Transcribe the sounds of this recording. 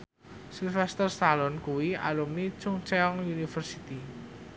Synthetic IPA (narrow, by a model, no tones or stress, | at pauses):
silfɛst̪ərst̪alɔnkuwia̰lumnit͡ʃuŋt͡ʃeɔŋunifərsit̪i